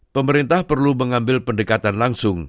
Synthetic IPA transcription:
pəməɾint̪ahpərluməŋambɪlpəndəkat̪anlaŋsʊŋ

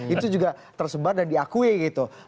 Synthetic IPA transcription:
it̪ud͡ʒuɡat̪ərsəbardandiakuiɡit̪u

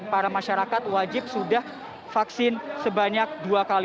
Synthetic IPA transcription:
paɾamaʃaɾakat̪̚wad͡ʒɪp̚sudah | faksɪnsəbaɲak̚duakal

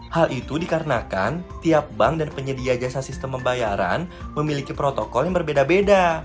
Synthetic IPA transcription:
halʔit̪udikaɾənaka̰nt̪iap̚baŋdanpəɲədiad͡ʒasasist̪əmpːəmbajaɾa̰nməmilikipɾot̪okɔljaŋbərbedabeda

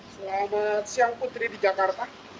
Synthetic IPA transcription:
səlamat̪siaŋput̪ɾidid͡ʒakart̪a

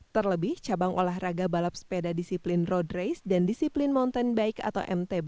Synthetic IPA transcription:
t̪ərləbɪht͡ʃabaŋʔo̰laɦraɡabalap̚spedadisiplɪnrɔdrejsdandisiplɪnmɔnt̪ɛnbaɪka̰t̪awʔɛ̰mt̪ɛb

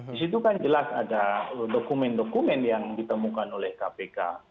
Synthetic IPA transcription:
dis̬it̪̬ukand͡ʒəlasadaədokumɛndokumɛnjaŋdit̪əmukanolɛhkapeka̰

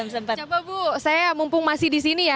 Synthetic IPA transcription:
msəpət͡ʃababusajamumpʊŋmasɪhdisinija

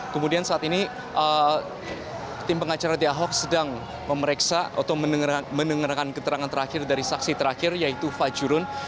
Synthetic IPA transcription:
kəmudiansaat̪ini | ʔə | t̪ɪmpəŋat͡ʃaɾadiaɦɔk̚sədaŋ | məməɾeksaa̰t̪aməmənəŋəɾakankət̪əɾaŋant̪əɾakɪrdaɾisaksit̪əɾakɪrjait̪ufad͡ʒuɾʊn

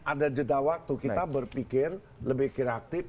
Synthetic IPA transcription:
ʔadad͡ʒədawak̚t̪ukit̪abərpikɪr | ləbɪhkiɾak̚t̪ɪf

